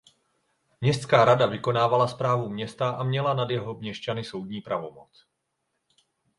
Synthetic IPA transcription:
mɲɛst̪skaːɾadavɪko̞naːvalaspɾaːvumɲɛst̪aʔamɲɛlanadjɛɦo̞mɲɛʃt͡ʃanɪso̞wdɲiːpɾavo̞mo̞t͡s

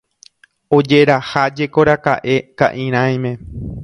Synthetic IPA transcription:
o̞d͡ʒe̞ɾahad͡ʒe̞ko̞ɾakaʔe̞ka̰ʔĩɾ̃ãj̃mẽ̞

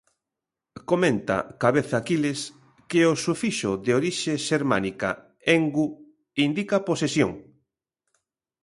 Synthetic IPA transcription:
komẽnt̪a̰kaβeθakilɪs | keosufiʃoðeoɾiʃeʃeɾma̰nika̰ | eŋɡu | ind̪ikɐposesjo̰ŋ

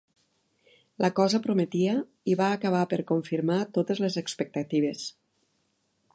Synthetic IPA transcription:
lʔakɔzəpɾomet̪iə | iβaːkəβ̞apəɾkoɱfiɾmat̪ot̪ezlezəkspek̚t̪at̪iβ̞es

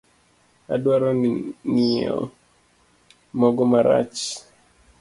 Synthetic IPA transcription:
a̰dwaɾɔnniɔ̰ | mɔɡɔmaɾa̰t͡ʃ

